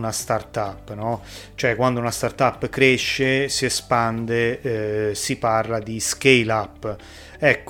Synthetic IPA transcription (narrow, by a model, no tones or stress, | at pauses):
nast̪art̪apːnɔt͡ʃoɛkːwand̪ounast̪art̪apːkɾeʃːesiɛspand̪e | siparlad̪isk̟ejlapː | ɛkː